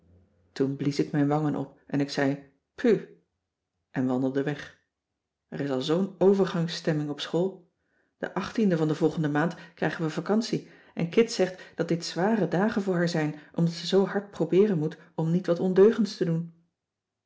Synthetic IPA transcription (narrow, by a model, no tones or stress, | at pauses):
tunblisɪkmɛjnʋɑŋənʔɔ̰pʔɛnɪksɛj | pʰy | ʔɛnʋɑndəlˠdəʋɛχ | ɛrɪsɑlˠzownowvəɹχɑŋstɛmɪŋɔpsχoːlˠ | d̥ə̰ʔɑχtindəvɑndəvɔlˠχəndəmaːntkrɛjχənʋəvakɑnsi | ʔɛ̰nkɪtsɛχtd̥ɑt̚d̥ɪtsʋaːrədaːχənvʊːɹɦaːɹzɛjnʔɔmdɑtsəzowɦɑɹt̚prowbɪːrənmut | ɔmnitʋɑtɔndøɥχəntstədun